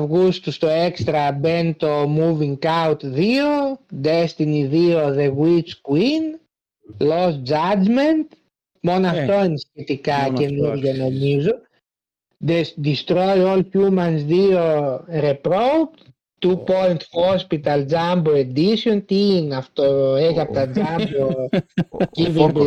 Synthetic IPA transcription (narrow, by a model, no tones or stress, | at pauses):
vɣust̪ust̪oekst̪ɾɐbent̪omuviŋkawt̪ðiod̪est̪iniðioðeɣwit͡ʃkwin | losd͡ʒad͡ʒment̪ | monɐft̪oensçit̪ikacenuɾʝanomizu | d̪esd̪ist̪ɾojolçumɐnsðioɾepɾowp | t̪upojnt̪xospit̪ɐld͡ʒamboed̪isiont̪iinɐft̪oeʝɐpot̪ɐd͡zambo | civombul